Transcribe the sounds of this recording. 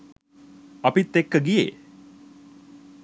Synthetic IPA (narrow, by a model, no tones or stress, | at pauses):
ɐpit̪ːekːəɡijḛː